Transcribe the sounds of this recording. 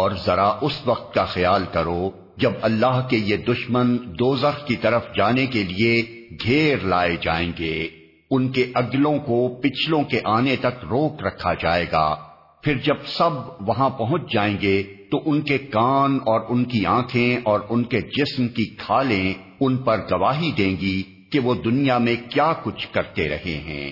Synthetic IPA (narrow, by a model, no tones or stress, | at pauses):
ɔːɾzɐɾaʔʊsʋɐq̚t̪̚kaxɐjaːlkɐɾo | d͡ʒɐbɐlːaːɦkejed̪ʊʃmənd̪oːzəxkit̪ɐɾəfd͡ʒaːnekelieɡʱeːɾlaːed͡ʒa̰ːẽːɡeː | ʊnkeʔɐɡlõkopɪt͡ʃʰlõkeʔaːnet̪ɐkɾoːkɾɐkʰːad͡ʒaːeːɡa̰ː | fʰɪɾd͡ʒɐb̚sɐbʋɐɦãpɐɦʊ̃t͡ʃʰd͡ʒaːẽːŋɡet̪oʔʊnkekaːnɔːɾʊnkiãːkʰẽɔːɾʊnked͡ʒɪsmkikʰaːlẽ | ʊnpɐɾɡɐʋaːɦid̪ẽːŋɡi | keʋod̪ʊnijamẽkjaːkʊt͡ʃʰkɐɾt̪eɾɐ̰ɦḛɦɛ̰̃ː